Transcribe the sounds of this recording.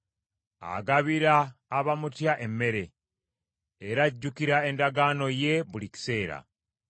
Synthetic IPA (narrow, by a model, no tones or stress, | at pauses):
a̰ɡaβiɾaːβamutjaʔe̞mːe̞ɾe̞ | eɾaɟːukiɾae̞ndaɡano̞je̞buliki̥se̞ːɾa̰